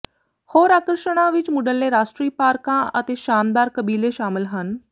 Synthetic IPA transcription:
hoːɾaːkəɾʃəɽ̃ãːʋɪt͡ʃmʊɖəlːeːɾaːʃʈɾiːpaːɾkãːʔət̪eːʃaːmd̪aːɾkəbiːleːʃaːmɪlɦən

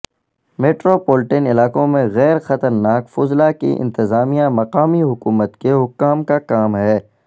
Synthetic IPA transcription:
meːʈɾopoːlɪʈenɪlaːkõmẽɣɛːɾxɐt̪əɾnaːkfʊzlakḭʔɪ̰̃nt̪ɪzaːmijãmɐqaːmiɦʊkuːmət̪keɦʊkːaːmkakaːmɦɛː

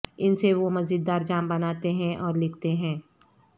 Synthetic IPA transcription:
ɪnseʋomɐzid̪ːaːɾd͡ʒaːmbɐnaːt̪eɦɛ̃ʔɔːɾlɪkʰt̪eɦɛ̃ː

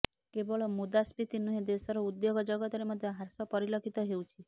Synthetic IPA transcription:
kebɔɭɔmud̪aspit̪inuɦed̪esɔɾɔud̪joɡɔd͡ʒɔɡɔt̪ɔɾimɔd̪ʱjɔɦaɾsɔpɔɾilokʰit̪ɔɦeut͡ʃʰi

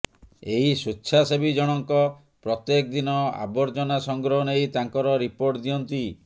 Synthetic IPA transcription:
eisutːt͡ʃʰasebid͡ʒɔɽ̃ɔŋkɔ | pɾɔt̪jekd̪inɔa̰bɔɾd͡ʒɔnasɔŋɡɾɔɦɔnejt̪aŋkɔɾɔɾipoɾʈd̪iɔnt̪i

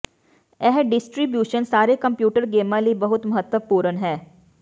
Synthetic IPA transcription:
ɛɦɖɪsʈɾibjuːʃənsaːɾekɐ̃mpjuːʈəɾɡeːmãlibɐɦʊt̪mɐɦət̪wəpuːɾənɦɛː

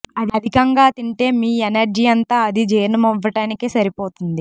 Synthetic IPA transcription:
ɐd̪iɐd̪ʱikɐŋɡaːt̪iɳʈe̞ːmiːenɐɾd͡ʒiːɐnt̪aːɐd̪id͡ʒeːjɾnɐmɔʋːɐʈaːnikesɐɾipoːt̪und̪i

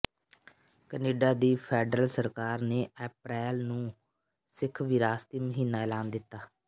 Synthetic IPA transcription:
kəneːɖaːd̪iːpʰɛːɖɾəlsəɾkaːɾneːɛːp̚ɾɛːlnũː | sɪkʰʋɪɾaːst̪iːməɦiːnaːɛːlaːnd̪ɪt̪ːaː

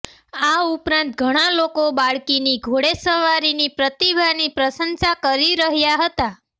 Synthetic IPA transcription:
aupɾãnt̪̚ɡʱəɽ̃alokobaɭkiniɡʱoɽesəʋaɾinipɾət̪ibʱanipɾəsənsakəɾiɾəɦjaɦət̪a

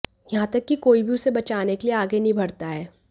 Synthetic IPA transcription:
jɐɦãt̪ɐkːikoːibʱiʊsebɐt͡ʃaːnekelieaːɡenɐĩbʱɐɽt̪aɦɛː

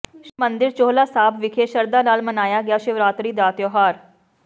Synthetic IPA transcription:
ʃmə̃nd̪ɪɾt͡ʃoːɦlaːsaːbʋɪkʰeːʃɐɾd̪aːnaːlmɐnaːjaɡɪjaːʃɪʋɾaːt̪ɾiːd̪aːt̪joɦaːɾ

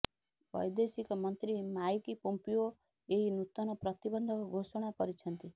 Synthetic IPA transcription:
bɔ̰jd̪esikɔmʌnt̪ɾimajkipɔmpio | eɦinut̪ɔnɔpɾʌt̪ibɔnd̪ʱɔkoɡʱosɔɽ̃akɔɾit͡ʃʰʌnt̪i

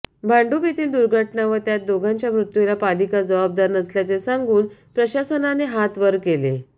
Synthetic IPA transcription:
bʱaɳɖubit̪iːld̪uɾɡʱəʈɳaʋəɾt̪jat̪̚d̪oɡʱãɲt͡ɕjamɾut̪ʋilapad̪ikad͡zəʋab̚d̪aɾnəsljat͡sesaŋɡuːnpɾəɕasənaneɦat̪ʋəɾkele

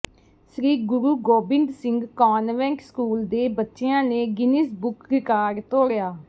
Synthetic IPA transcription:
sɾiːɡʊɾuːɡoːbɪɳɖsɪ̃ŋɡkɔːnʋɛ̃ːŋkskuːld̪eːbətːʃeãːneːɡɪniːsbʊkʋɪkaːɾt̪oːɽjaː

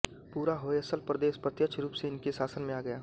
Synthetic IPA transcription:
puːɾaɦoeɐsəlpɾəd̪eːʃpɾət̪jət͡ʃʰɾuːpseɪnkesaːsənmẽaːɡɐjaː

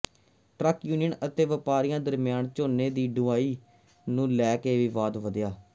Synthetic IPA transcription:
ʈɾəkjuːnɪjənət̪eːʋɪpaːɾijãːd̪əɾmɪjaːnt͡ʃoːneːd̪iːɖʊaːiː | nũːlɛːkeːʋiːʋaːd̪ʋəd̪jaː

